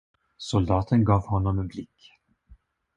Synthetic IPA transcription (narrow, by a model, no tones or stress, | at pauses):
sʊld̪ɑːt̪ʰənɡɑːvhɔnːɔmɛnblɪkː